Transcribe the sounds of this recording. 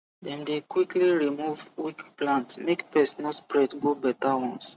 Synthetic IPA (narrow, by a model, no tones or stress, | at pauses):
dɛ̃mdekwikliɹimuvwikplãntmekpɛsɔnaspɹɛdɡobɛtawɔ̃ns